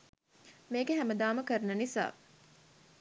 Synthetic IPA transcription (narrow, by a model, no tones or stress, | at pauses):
meːɡeɦæməd̪aːməkəɾnɐnisa̰ː